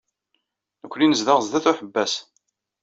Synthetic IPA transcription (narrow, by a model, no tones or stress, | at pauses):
nəkʷːlinəzðəʁzðæθuħəbːæs